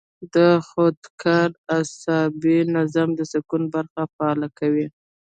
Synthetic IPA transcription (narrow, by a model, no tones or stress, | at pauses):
d̪əxod̪kʰaɾasɑbinazamd̪əsɪkunbaɾxafaɑlakawi